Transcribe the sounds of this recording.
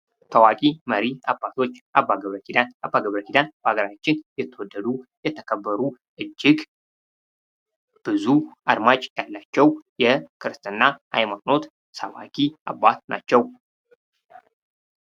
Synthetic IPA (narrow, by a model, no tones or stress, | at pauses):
t̪ʰəwakʼiməɾiabːat̪ʰo̞t͡ʃːʔabːaɡəβɾəkid̪anʔabːaɡəβɾəkʰid̪anb̥əaɡəɾat͡ʃːɪnjɛt̪ʰːəwɔd̪ːəd̪ujɛt̪ʰːəkʰəbːəɾu | ʔɨd͡ʒːɪɡ | b̥ɨzuʔad̪mat͡ʃʼjalːat͡ʃːɛwjɛkʰɨɾɨst̪ʰʼɨnːaʔa̰jmakʼno̞t̪ | səwa̰kʼiʔabːat̪na̰t͡ʃːɛw